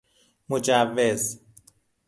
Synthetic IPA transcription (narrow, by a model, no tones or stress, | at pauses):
mod͡ʒævːez